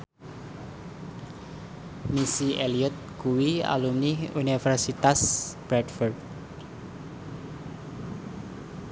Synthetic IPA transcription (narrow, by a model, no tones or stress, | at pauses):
misieliɔt̪̚kuwia̰lumniunifɛrsit̪asb̥ɾɛdfɔrd̪̚